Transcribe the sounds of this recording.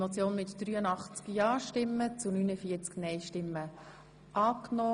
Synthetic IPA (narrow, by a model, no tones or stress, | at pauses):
mot͡sjoːnmɪtd̥ryːənɑχt͡skjɑːʃtɪmːət͡sunynəfiːət͡sknɛɪʃtɪmːə | ʔɑːknɔː